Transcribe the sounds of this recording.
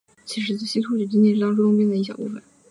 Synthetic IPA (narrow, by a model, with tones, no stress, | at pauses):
t͡ɕʰi˧˥ʂ̬ɻ̩˧˥t͡s̩˥˩ɕi˥t̪ʰu˥˩y˨˩t͡ɕi˥ŋt͡ɕ̪jɛ˥˧nʈ͡ʂɻ̩˥˩ɑ˥ŋʈ͡ʂ̬t̪ʊ˥ŋp̬jɛ˥nd̪ə˩i˥˩ɕjɑ̰˨˩pu˥˩fə̰˩˦n